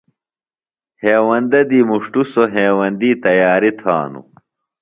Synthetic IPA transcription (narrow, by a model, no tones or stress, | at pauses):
heːwɐnd̪ɐd̪iːmuʂʈusoɦeːwɐnd̪iːt̪ɐjaːɾit̪ʰa̰ːnṵ